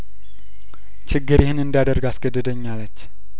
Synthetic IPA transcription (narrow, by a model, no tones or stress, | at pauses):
t͡ʃʰɪɡːɨɾjɪhɨnɨnd̪ijad̪əɾɡasɡəd̪ːəd̪əɲːalət͡ʃː